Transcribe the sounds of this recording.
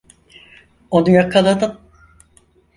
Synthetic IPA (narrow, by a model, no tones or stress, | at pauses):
onujakʰːalˠad̪ɯm